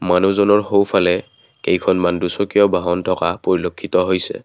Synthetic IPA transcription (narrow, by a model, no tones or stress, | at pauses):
manuzɔnɔɹɦowpʰalɛ | kejkʰɔnmandusɔkijɔbʱaɦɔntʰɔkapoɹilokʰːit̪ɔɦojsɛ̰